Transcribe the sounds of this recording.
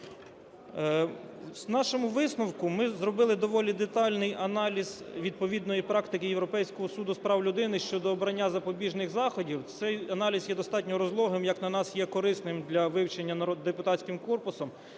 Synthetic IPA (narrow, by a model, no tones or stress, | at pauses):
znɑʃɔmʊʋɪsnɔwkʊmɪzɾɔbɪlˠɪd̪ɔʋɔlʲid̪et̪ɑlʲnɪjɐnɑlʲizʋʲid̪̚pɔʋʲid̪nɔjipɾɑkt̪ɪkɪjewɾɔpɛjsʲkɔɦɔsud̪ʊspɾɑwlʲʊd̪ɪnɪʃt͡ʃɔd̪ɔːbɾɐnʲːazɐpɔbʲiʒnɪxzɑxɔdʲiwt̪sɛjɐnɑlʲizjɛd̪ɔst̪ɑt̚ʲnʲɔɾɔzlˠɔɦɪmjɐknɐnɑsjɛkɔɾɪsnɪmd̪lʲɐʋɪwt͡ʃenʲːɐnɐɾɔd̪ːepʊt̪ɑtʲsʲkɪmkɔrpʊsɔm